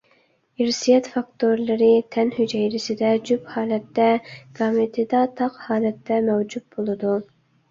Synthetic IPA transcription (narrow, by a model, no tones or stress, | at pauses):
iɾsijɛt̪fɑkt̪ʰoɾlˠɨɾɪt̪ʰɛnhyd͡ʒɛjɾɪsɪd̪ɛd͡ʒyphɑːlɛt̪ːɛɡ̥ɑmɪt̪ʰɪd̪ɑt̪ʰɑqhɑːlɛt̪ːɛmɛwd͡ʒyt̪̚bolˠɨd̪u